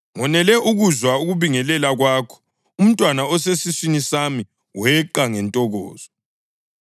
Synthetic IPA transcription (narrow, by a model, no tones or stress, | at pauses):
ŋɔnɛlɛʔuɣuzwauɣuβiŋɛlɛlaɣwaːkʰɔ̥ | um̩tʼwanaɔsesisinisami | wɛǃaŋɛntʼɔɣɔ̰ːz̥ɔ